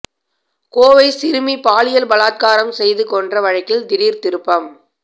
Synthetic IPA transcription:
koːʋɐɪsɪɾɯmipaːlɪjɐlbɐlaːt̪̚kaːɾɐmsɛjðɯkɔndrɐʋɐɻɐɪkːɪlt̪ɪɽiːɾt̪ɪɾɯpːɐm

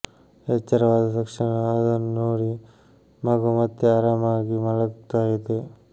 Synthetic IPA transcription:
et͡ʃːɐɾɐʋaːd̪ɐd̪ɐkʂiɳɐɐd̪ɐnnoːɽi | maːɡumɐt̪jeaːɾaːmaːɡimɐlɐkt̪aːjit̪e

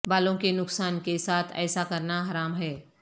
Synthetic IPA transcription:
baːlõkenʊksaːnkesaːt̪ʰɛ̰ːsakɐɾnaɦaːɾaːmɦɛː

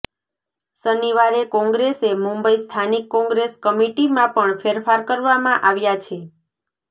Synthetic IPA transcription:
səniʋaɾekɔ̃ŋɡɾesemũmbəist̪ʰanikːɔ̃ŋɡɾeskəmiʈimãpəɳfʰeɾfaɾkəɾʋamãʔaʋjat͡ʃʰe

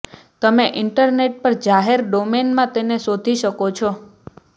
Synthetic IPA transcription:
t̪əmeʔɪɳʈəɾneʈ̚pəɾd͡ʒaɦeɾɖomenmãt̪enesod̪ʱiʃəkot͡ʃʰɔ

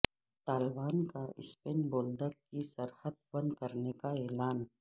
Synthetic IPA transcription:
t̪aːlbaːnkaɪ̰speːnboːld̪əkkisɐɾhəd̪̚bɐ̃nd̪kəɾnekaɛːlaːn

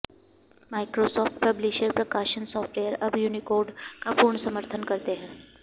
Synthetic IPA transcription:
maːɪkɾosɔːfʈpɐblɪʃəɾpɾɐkaːʃənsɔːfʈʋeːjəɾɐbjuːnikoːɾɖkapuːɾɳəsɐməɾt̪ʰənkɐɾt̪eɦɛ̃ː

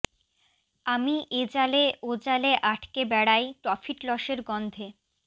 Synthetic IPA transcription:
amiʔed͡ʑaleod͡ʑaleʔaʈʰkebɛɽajpɾɔfʰiʈlɔʃeɾɡɔnd̪ʱe

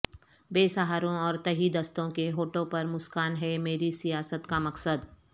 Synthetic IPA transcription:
beːsaɦaːɾõɔːɾt̪ɐɦid̪ɐst̪õkeɦoːʈõpɐɾmʊskaːnɦɛmeːɾisijaːsət̪kamɐksəd̪

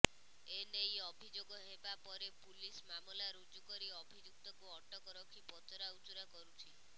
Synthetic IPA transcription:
enejɔbʱid͡ʒoɡɔɦebapɔɾepulismamɔlaɾud͡ʒukɔɾiɔbʱid͡ʒuk̚t̪ɔkuɔʈɔkɔɾɔkʰipɔtɔɾaut͡ʃuɾakɔɾut͡ʃʰi

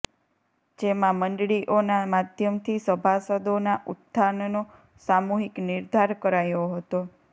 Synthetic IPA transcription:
d͡ʒemãməɳɖɭiʔonamad̪ʱjəmt̪ʰisəbʱasəd̪onaʔut̪̚ːanno | samuɦiknɪɾd̪ʱaɾkəɾajoɦət̪o

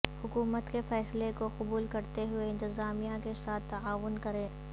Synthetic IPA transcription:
hʊkuːmət̪kefɛːslekoxʊbuːlkɐɾt̪eɦʊeɪ̃nt̪ɪzaːmijãkesaːt̪ːɐaːʋʊnkɐɾẽː

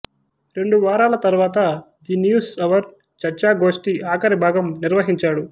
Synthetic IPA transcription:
ɾe̞ɳɖuʋaːɾaːlɐt̪ɐɾuʋaːt̪̬ɐ | d̪injuːsɐʋɐɾ | t͡ʃɐɾt͡ʃaːɡo̞ːʂʈiaːkɐɾibʱaːɡɐmniɾʋɐɦiɲt͡ʃaːɽu

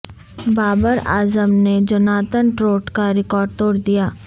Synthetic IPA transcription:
baːbəɾa̰ːzəmned͡ʒɐnaːt̪ənʈɾoːʈkaɾɪkɔːɾɖ̚t̪oːɽd̪ijaː

